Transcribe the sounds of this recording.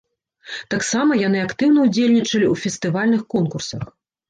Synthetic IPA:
t̪aksamɐjan̪ɨakt̪ɨwn̪ɐud͡zʲelʲnʲit͡ʂɐlʲiufʲɛst̪ɨvalʲnɨxkɔnkursɐx

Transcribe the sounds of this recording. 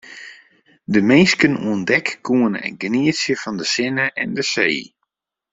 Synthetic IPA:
dəmeːskənuəndɛkːuənɛ̰ɡniəsjəfɑndəsɪnəʔɛndəseː

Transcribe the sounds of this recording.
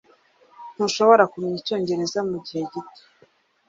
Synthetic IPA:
n̥huʃo̞βoɾakumɲico̞ːɲɟe̞ɾe̞zamuɟihe̞ɟite̥

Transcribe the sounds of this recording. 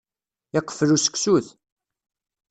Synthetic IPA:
ɪqːə̥flusə̥ksuθ

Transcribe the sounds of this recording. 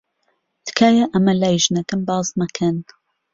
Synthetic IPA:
d̪̥ɨ̥kʰaːjɐʔɐmɐlaːjʒnɐkɨmbɑːznɐkʰɐn

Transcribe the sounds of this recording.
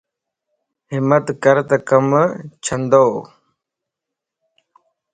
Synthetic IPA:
ɦɪmət̪kəɾt̪əkəmt͡ɕʰənd̪oː

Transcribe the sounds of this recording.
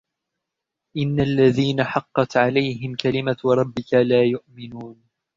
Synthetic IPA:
ʔɪnːalːaðiːnaħɑqːɑt̪ʕalajɦɪmkalɪmaɾˤɑbːɪkalaːjʊʔmɪnuːn

